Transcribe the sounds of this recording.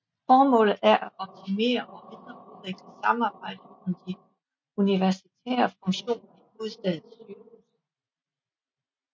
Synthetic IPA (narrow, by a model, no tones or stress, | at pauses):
fɒːmɔ̰̽ːlð̩ˠæɐʔæɒ̽b̥̚t͡sʰime̝̰ːɐʔɒme̝nd̥ʁɐpɔeɡ̥ləsɑ̈mɑ̈ːb̥ɑ̈ɪ̰d̥əsɒmd̥i | uniʋæɐsit͡sʰɛ̰ːɐfɔ̽ŋɕo̝̰ːnɐimo̝ðˠsd̥ɛð̰̩ˠyːus